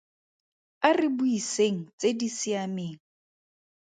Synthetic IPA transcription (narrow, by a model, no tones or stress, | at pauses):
arɪbuiseŋ̩t͡sʼedisɪameːŋ̩